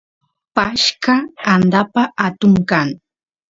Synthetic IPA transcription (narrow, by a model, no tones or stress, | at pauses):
paʃkaand̪apaʔat̪ʊŋkaŋ